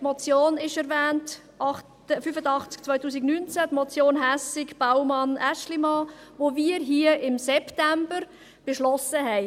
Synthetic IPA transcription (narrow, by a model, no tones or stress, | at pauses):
tmɔt͡sjoːnɪʃɛɾvɛːnt | ʔɑχt | əfyfəd̪ɑχt͡sk̚t͡svœʏtuːsiɡnyːnt͡sætmɔt͡sjoːnɦæsɪkb̥awmɑnæʃlimɑːʋoviːɾɦiəʔɪmsɛptæmbəɾ | b̥eʃlɔsəɦɛɪ